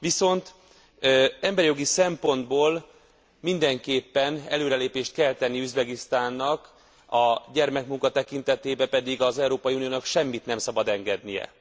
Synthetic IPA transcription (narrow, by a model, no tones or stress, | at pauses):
ʋiso̞nt̪ː | ɛmbɛɾijo̞ɡisɛmpo̞nd̪boːl | mind̪ɛŋkeːpːɛnɛ̰løːɾɛleːpeːʃt̪̚kɛlt̪ɛnːiyzbɛɡist̪aːnːɒk | ɒɟɛrmɛkmuŋkɒt̪ɛkint̪ɛt̪eːbɛpɛd̪iɡɒzɛuɾoːpɒjiunijoːnɒkʃɛmːit̪nɛmsɒbɒd̪ɛŋɡɛd̪nijɛ̰